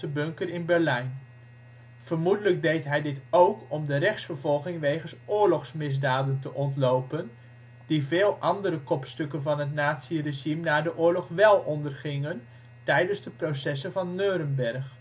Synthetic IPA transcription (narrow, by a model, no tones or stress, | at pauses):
əbɵŋkəɾɪnbɛɹlɛjn | v̥əɹmudələɡ̚dejtɦɛjdɪtowkɔmdəɾɛχsfəɹvɔlˠχɪŋʋejχənsʊːɹlɔχsmɪzdaːdəntəʔɔntlowpən | d̥ivɪːlˠʔɑndəɾəkɔpstɵkənvɑnɦətnaːtsireʒimnaːɹdəʔʊːɹlɔχʋɛlˠɔndərχɪŋən | tɛjdənzdəprowsɛsəvɑnːøːɾənbɛɹχ